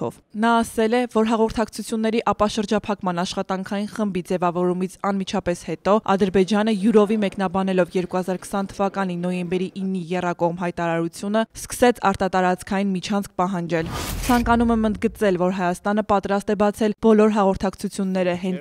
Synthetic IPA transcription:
ɔ̰v | nɑːsɛlɛvɔɾɦɑʁɔɾt̪ʰɑkt͡sʰut͡sʰjunːɛɾiʔɑpɑʃəɾd͡ʒɑpʰɑkmɑnɑʃχɑt̪ɑŋkʰɑjinχəmbid͡zɛvɑvɔɾumit͡sʰɑnmit͡ʃʰɑpɛshɛt̪ɔɑ̰d̪əɾbɛd͡ʒɑnəjuɾɔvimɛknɑbɑnɛlɔvjɛɾkuhɑzɑɾkʰə̥sɑnt̪ʰəvɑkɑn̪inɔjɛmbɛɾiʔinːijɛrɑkɔʁmɦɑjt̪ɑɾɑɾut͡sʰjunəskə̥sɛt͡sʰɑ̰ɾt̪ɑt̪ɑɾɑt͡skʰɑjinmit͡ʃʰɑnt͡sk̚ʰpɑɦɑnd͡ʒɛlt͡sʰɑŋkɑnumɛmənd̪̚ɡət͡sɛlvɔɾɦɑjɑst̪ɑnəpɑt̪ɾɑst̪ɛbɑt͡sʰɛlb̥ɔlɔɾɦɑʁɔɾt̪ʰɑkt͡sʰut͡sʰjunːɛɾəɦɛnt͡s

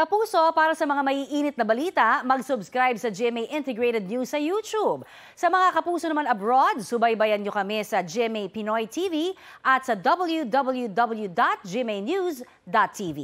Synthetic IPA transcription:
kɐpuːso̞paːɾɐsɐmɐŋamɐʔiːʔiːnɪt̪nɐbɐliːt̪ɐmɐɡsʊbskɾajbsɐd͡ʒɛmejʔɪnt̪ɛɡɹejt̪ɛd̪̚nusɐjuːt͡ʃub̚ | sɐmɐŋakɐpuːsonɐmanɐbɹod̪̚sʊbɐjbɐjɐnɲokɐmɛsɐd͡ʒɛmejpɪnojt̪ʰiːviʔɐt̪̚sɐd̪ɐbɐljud̪ɐbɐljud̪ɐbɐljud̪at̪̚d͡ʒimejnjus | d̪at̪ʰːivḭ

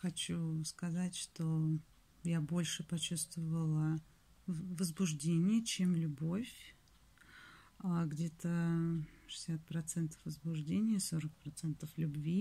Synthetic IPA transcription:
xɐt͡ɕuskɐzatʲʂt̪o | jabo̞lʲʂɨpɐt͡ɕust̪vəvəlˠə | vəzbʊʐdʲenʲɪjət͡ɕe̞mlʲʊbo̞fʲ | aɡdʲe̞t̪ə | ʂɨ̥sʲat̪̚pɾɐt̪sɛnt̪ə̥fvəzbʊʐdʲenʲɪjəso̞ɾək̚pɾɐt̪sɛnt̪əflʲʊbvʲi

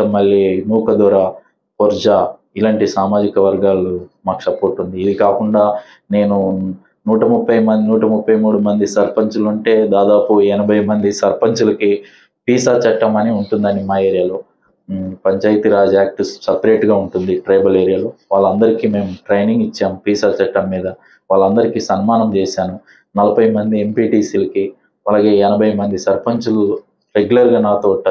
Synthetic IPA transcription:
ɐmːɐɭːiːnuːkɐd̪ɔːɾaː | pɔɾd͡ʒaː | ilaːɳʈisaːmaːd͡ʒikɐʋɐɾɡaːlumaːku̥sɐpoːɾʈːund̪iːd̪ikaːkuɳɖaː | ne̞ːnu | nuːʈɐmupːɐjmɐnd̪inuːʈɐmupːɐjmuːɽumɐnd̪isɐɾpɐɲt͡ʃuluɳʈe̞ːd̪aːd̪aːpuɛnɐbʱɐjmɐnd̪isɐɾpɐɲt͡ʃulɐki | piːsaːt͡ʃɐʈːɐmɐniuɳʈund̪ɐːnimaːe̞ːɾijaloː | pɐɲt͡ʃaːjt̪iɾaːd͡ʒaːk̚ʈusɐpɾe̞ːʈɡaːuɳʈund̪iʈɾɐjbɐleːɾijaːluʋaːɭːɐnd̪ɐɾikiːme̞ːmuʈɾejniŋɡit͡ʃːaːmpiːsaːt͡ʃɐʈːɐmːiːd̪ɐ | ʋaːɭːɐnd̪ɐɾikisɐnmaːnɐmt͡ʃeːsaːnu | nɐlɐbʱɐjmɐnd̪ie̞mpiːʈiːsilɐki | ɐlaːɡe̞ːɛnɐbʱɐjmɐnd̪isɐɾpɐɲt͡ʃulu | ɾeɡjulɐɾɡaːnaːt̪oːʈːa

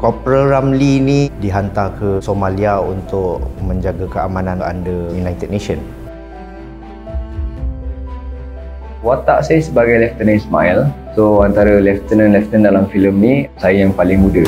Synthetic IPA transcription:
kɔpɾəɾamlinidiɦant̪akʰəsomãliaunt̪ʊʔmə̃ɲd͡ʒaɡakəa̰mãnãna̰ndəjunajt̪ɛd̚nẽʃən | wat̪aʔsajəsəbaɡajlɛft̪ənəsma̰il | soant̪aɾəlɛft̪ənənlɛft̪əndalamfiləmnĩsajəjaŋpalɪŋmudə

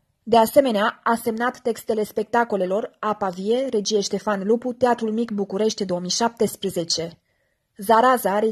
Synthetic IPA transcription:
d̪e̞ase̞me̞neaase̞mnat̪ːe̞kst̪e̞le̞spe̞k̚t̪ako̞le̞lo̞rapavie̞ɾe̞d͡ʒije̞ʃt̪e̞fanluput̪eat̪ɾulmikbukuɾe̞ʃt̪ʲd̪o̞omijʃap̚t̪e̞spɾeze̞t͡ʃe̞ | zaɾazaɾe

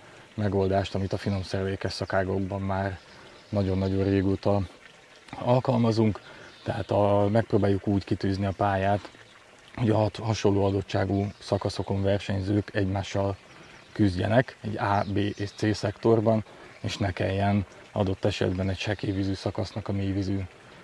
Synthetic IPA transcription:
mɛɡo̞ld̪aːʃt̪ɒmit̪ɒfino̞msɛrvɛkɛʃsɒkaːɡoɡbɒmːaːr | nɒɟo̞nːɒɟo̞reːɡoːt̪ɒ | ɒlkɒlmɒzuŋkt̪ɛɦat̪ɒmɛk̚proːbaːjukuːckit̪yːzniɒpaːjaːt̪ | ho̞ɟɒɦɒt̪ɦɒʃo̞lːoːɒd̪o̞tʃaːɡusɒkɒso̞ko̞ɱvɛrʃɛɲzøːkʰɛɟmaːʃːɒl | kyzɟɛ̰nɛkɛ̰ɟaːbeːʔeːʃt̪seːsɛkt̪o̞rbɒn | eːʃnɛkɛ̰jːɛn | ɒ̰d̪o̞t̪ːɛʃɛ̰d̪bɛnɛcʃɛkeːvizyːsɒkɒsnɒkɒmeːvizyː

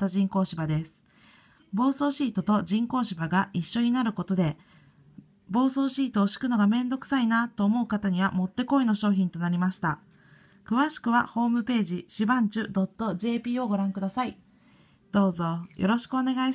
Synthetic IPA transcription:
t̪aʑĩŋko̞ːɕibad̪e̞sɨ̥ | bo̞ːso̞ːɕiːt̪o̞t̪o̞ʑĩŋko̞ːɕibaɡaiɕːo̞ɲ̟inaɾɯ̟ko̞t̪o̞d̪e̞ | bo̞ːso̞ːɕiːt̪o̞ːɕi̥kɯ̟no̞ɡamẽ̞nd̪o̞kɯ̟̥sainat̪o̞ːmo̞ɯ̟kat̪aɲ̟iβamo̞t̪ːe̞ko̞eno̞ɕo̞ːçĩnt̪o̞naɾʲimaɕi̥t̪a | kɯ̟βaɕi̥kɯ̟β̞aho̞ːmɯ̟pe̞ːʑiɕibãɲ̟t͡ɕɨd̪o̞t̪ːo̞ʑe̞ːpʲiːo̞ɡo̞ɾãŋkɯ̟d̪asai | d̪̥o̞ːzo̞jʔo̞̰ɾo̞ɕi̥kɯo̞ne̞ɡai

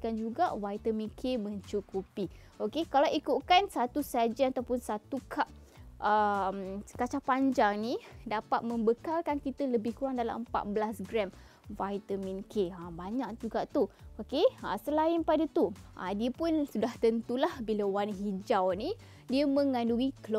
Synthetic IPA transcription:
kand͡ʒuɡa̰ʔwajt̪əmĩnkʰemə̃ɲt͡ʃukupi | okekalawikutkansat̪usad͡ʒənat̪awpʊnsat̪ukʰaʔ | əmkat͡ʃapaɲd͡ʒaŋnidapat̪̚mə̃mbəkalkankit̪ələbɪhkuɾaŋdala̰məmpa̰t̪̚bəlasɡɾɛm | vajt̪əminkʰeambaɲãʔd͡ʒuɡaʔt̪uokea̰səlaɪnpadət̪uʔa̰diəpʊnsudaht̪ənt̪ulahbilawanɦid͡ʒawni | diəmə̃ŋãnduiklo

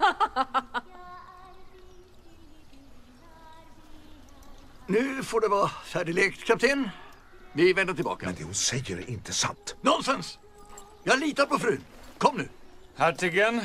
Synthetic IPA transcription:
nʉ̟ːfoɖɛvɑːhæːɖɪlɛkt̪kʰap̚t̪ʰeːn | vɪvɛnd̪aʈ̪ɪlbɑ̰ːkaɛnd̪eɛːhʊnsɛjːəɾ̰ʔɪnt̪ʰəsa̰nt̪nɔnst̪ɛns | jɑːliːt̪aɾpɔfɾʉːnkʰɔmːnʉ̟ːhæːʈɪɡɛn

